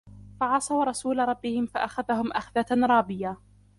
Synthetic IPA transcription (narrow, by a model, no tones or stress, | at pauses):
faʕɑsˤɑwɾˤɑsuːlaɾˤɑbːɪhɪmfaʔaxaðahʊmʔaxðaɾˤɑːbɪja